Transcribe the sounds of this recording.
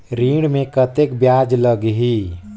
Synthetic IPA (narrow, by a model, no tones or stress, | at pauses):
ɾiːɽmẽkət̪ekbjaːd͡ʒləɡɦiː